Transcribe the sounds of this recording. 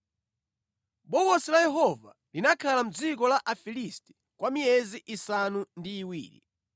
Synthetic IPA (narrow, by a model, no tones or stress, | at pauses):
ɓɔɡɔsilajɛɦɔva̰ | linakʰalam̩d͡zik̬ɔlaʔafilistɛ̥ | kwʔamijɛziʔisanundiːwiːɾḭ